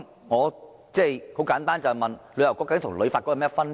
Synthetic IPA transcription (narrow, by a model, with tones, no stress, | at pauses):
ŋɔ˨˧ | t͡sɛ˥˩˨ho˨˥wkaː˨˥nt̪aː˥nt͡ɕa˨˩mɐ˨˩nlə˨˥jwkɔː˨˥ka˨˥ŋt̪ʰʊ˨˩ŋ˨lə˨˧jfa˨t̚kɔ˧˥˨mɛː˦˥fɐ˥n